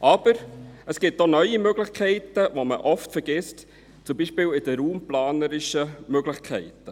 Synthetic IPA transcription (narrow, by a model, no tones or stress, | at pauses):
ʔɑb̥əɾəsɡ̥ɪt̚donœʏimøɡlɪχkʰɛɪtəʋoməʔɔftfɛɾɡ̥ɪst | t͡sʊmbiːʃpɪːlɪd̥əɾuːmplɑːnəɾɪʃəmøɡlɪxkʰɛɪtə